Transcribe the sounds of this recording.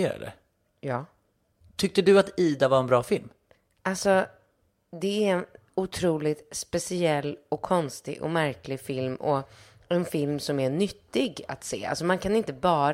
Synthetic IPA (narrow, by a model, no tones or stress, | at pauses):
ɾa̰d̪ə̰ | jɑː | t̪ʰʏk̚t̪əd̪ɵat̪iːd̪avaɾɛnbɾɑːfɪlm | ʔalsɔ | d̪ɛæɾɛn | ʊt̪ʰɾuːlɪt̪spɛsɪɛlːɔkʰːɔnst̪ɪ̰ʔɔ̰mæɾklɪɡfɪlmʔɔ | ɛnfɪlmsɔmæɳʏt̪ːɪɡa̰t̪sḛːa̰lsɔmankʰanɪnt̪əbɑːɾ